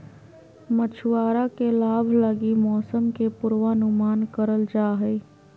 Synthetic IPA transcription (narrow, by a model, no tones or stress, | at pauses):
mət͡ʃʰwaːɾakelaːbʱləɡimɔːsəmkepʊɾʋaːnʊmaːnkəɾəld͡ʒaːɦɛː